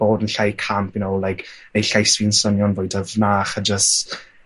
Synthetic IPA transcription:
b̥oːdənɬajkʰampɪnowlˠajkʰnejɬajsviːnsɔnjɔnvoɨdəvnaːχad͡ʒəst

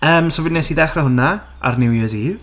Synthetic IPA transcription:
əːmsɔvɪdnɛsidɛχrəhʊna | a̰rnɪwjəziːv

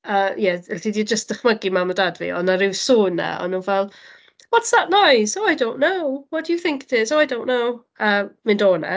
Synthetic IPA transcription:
əːjɛɛldidjəd͡ʒəstd̥əχməɡimamɔdadvḭɔ̰naɾɪwsuːna̰ɔ̰nunvɛlˠ | wɔtsðaʔnajsoajdõw̃nʔːowwɔtd̥əjuθɪ̃ŋkɪtʰɪzoʊajdõʊ̃nːow | əːmɪndoːna̰

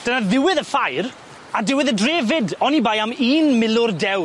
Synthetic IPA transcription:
d̥ənaðɪwɪðəfajɾ | adɪwɪðədreːvɪdɔnibajamiːnmɪlˠʊrdɛw

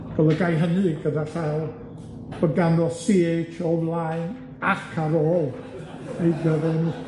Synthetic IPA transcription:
ɡ̥əlˠəɡajɦənɨɡədafɛlˠ | b̥əɡanɔsiet͡ʃʰɔblˠaɨn | akʰaɾɔːlˠ | ejɡəɾɛn

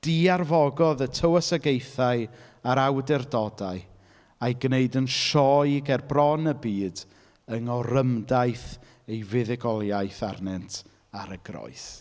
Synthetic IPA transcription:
d̥iarvɔɡɔðətʰəwəsəɡejθaɨaɾawdɛrdɔdaɨ | ajɡneɨdənʃɔjɡɛrbrɔnəbiːd | əŋɔɾəmdajθ | ejvɪðɪɡɔlˠjajθarnɛntʰ | aɾəɡrɔ̰ɨθ

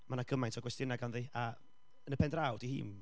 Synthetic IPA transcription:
manaɡəmajntʰɔɡwɛstjɪnaɡanðia | ənəpʰɛndrawd̥ihḭːn

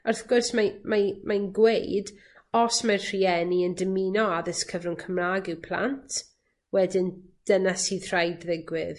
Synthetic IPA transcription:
arθɡ̥ʊrsmamamajnɡwejd | ɔsmarr̥iɛniəndəmiːnɔaðəskʰəvrʊŋkʰəmraːɡɪwpʰl̥ˠa̰ntʰ | wɛdɪnd̥ənasiðr̥ajdðɪɡwɪð

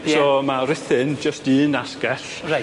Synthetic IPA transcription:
sɔːmaɾɪθɪnd͡ʒəstɨːnaskɛɬ | a

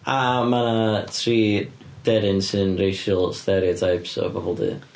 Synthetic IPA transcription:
amanatʰriː | d̥ɛɾɪnsɨnrejʃəlˠstɛɾiɔtʰajpsɔ̰bɔbɔlˠdḭ

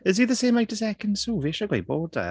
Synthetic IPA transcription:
ɪziðəsẽːmajtəzɛkʰənsuːvɪʃəɡwajbɔːdə̰

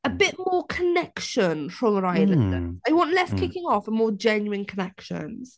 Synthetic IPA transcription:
əbɪʔ̚mɔːkʰənɛkʃə̃nɹə̃məɹaɪlɪə̰̃nzðeɪwɒ̃nʔlɛskʰɪkɪ̃ŋɔfə̃nmɔːd͡ʒɛ̃njʉɪ̃nkʰənɛkʃə̰̃nz̥

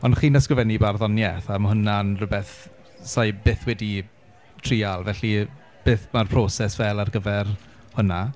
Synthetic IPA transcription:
ɔnχiːnəskrɪvɛnibarðɔnjɛθamhʊnanrʊbɛθ | sajbeːθwɛdi | tʰriːalˠvɛɬi | b̥eːθmarpʰroːsɛsvɛlˠarɡəvɛr | hʊna

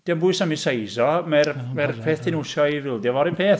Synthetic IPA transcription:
d̥iambʊɨsamisejsɔmɛrmɛrpʰeːθtʰɪnʊsjɔivɪlˠdjɔvɔɾɪnpʰeːθ

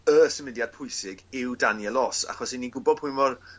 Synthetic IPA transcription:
əsəmɪdjad̥̚pʰʊɨsɪɡɪwdanjɛlˠɔsa̰χɔsinːiɡʊbɔd̚pʰʊjnvɔr

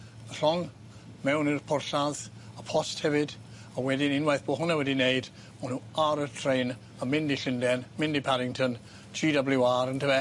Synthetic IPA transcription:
ər̥ɔŋ | mɛwnɪrpʰʊrɬað | əpʰɔsthɛvɨd | awɛdɪnɪnwajθb̥oːɦʊnawɛdinejd̥ | manhuaɾətʰrejn | əmɪndiɬɪndɛnmɪndipʰaɾɪŋtʰən | tʰiːdablɪwaɾəntʰəvɛ

